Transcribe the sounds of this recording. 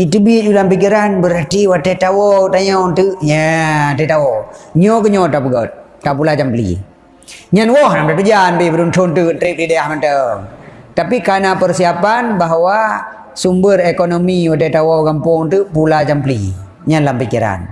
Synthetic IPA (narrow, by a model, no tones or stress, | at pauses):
it̪ubid͡ʒulampik̬iɾanbəɾart̪iwat̪ɛt̪awɔt̪aɲɔt̪uʔɲətɛt̪awoɲɔkəɲɔt̪apəɡat̪̚ | tːap̬ulat͡ʃamplḭ | ɲanwɔɦnamtat̪ud͡ʒanbibəɾunt̪ʰunt̪unt̪ɾip̚didajahmənt̪əŋt̪apikanapərsiapanbaɦwa | sumbərekonomiwat̬ɛt̪awokampʊŋt̪upulat͡ʃampli | ɲanlampikiɾa̰n